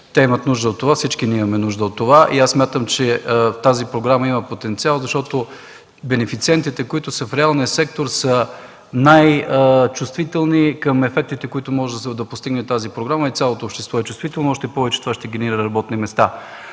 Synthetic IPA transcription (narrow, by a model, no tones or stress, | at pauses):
t̪ɛimət̪nuʒd̪əot̪ːovafsit͡ʃkinɛimɐmɛnuʒd̪əot̪ːovaʔiassmʲat̪əmt͡ʃɛt̪azipɾoɡɾamɐimɐpot̪ɛnt̪sialˠzɐʃt̪ɔt̪o | bɛnɛfit̪siɛnt̪it̪ɛkoit̪ʊsəfɾɛalˠniəsɛk̚t̪oɾsə | najt͡ʃʊst̪vit̪ɛlˠnikəmɛfɛk̚t̪it̪ɛkoit̪ʊmɔʒɛd̪ɐd̪ɐpost̪iɡnɛt̪azipɾoɡɾaməit̪ʲjalˠot̪oːpʃt̪ɛ̥st̪vɔɛt͡ʃʊst̪vit̪ɛlˠnoɔʃt̪ɛpɔvɛt͡ʃɛ̥t̪ovaʃt̪ɛɡʲɛniɾət̪ɾɐbɔt̪nimɛst̪a